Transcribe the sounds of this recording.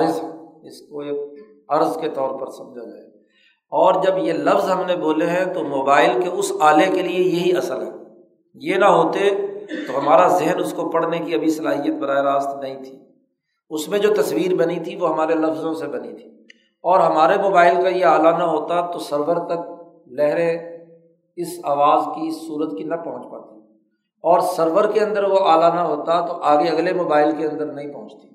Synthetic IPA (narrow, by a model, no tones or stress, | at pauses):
ɪsɛɪsko | ɐɾzket̪ɔːɾpɐɾsɐmd͡ʒʱad͡ʒɐeː | ɔːɾd͡ʒɐbjelɐfzɦɐmneboːleɦɛ̃t̪omoːbaːɪlkeʊsaːlekeliejɐɦiɐsəlɦɛ̰ː | jenɐɦoːt̪et̪oɦɐmaːɾazɪɦənʊskopɐɽnekiɐbʱisɐlaːɦijət̪̚bɐɾaːeɾaːst̪nɐɦĩt̪ʰi̥ː | ʊsmẽd͡ʒoːt̪ɐsʋiːɾbɐnit̪ʰiʋoɦɐmaːɾelɐfzõsebɐnit̪ʰi̥ː | ɔːɾɦɐmaːɾemoːbaːɪlkajeaːlanɐɦoːt̪at̪osɐɾʋəɾt̪ɐk̚ | lɛɦɾẽ | ɪsaːʋaːzkiɪsːuːɾət̪kinɐpɐɦʊ̃t͡ʃpa̰t̪i̥ | ɔːɾsəɾʋəɾkeɐ̃nd̪əɾʋoʔaːlanɐɦoːt̪at̪oʔaːɡeɐɡlemoːbaːɪlkeɐ̃nd̪əɾnɐɦĩpɐɦʊ̃t͡ʃt̪i̥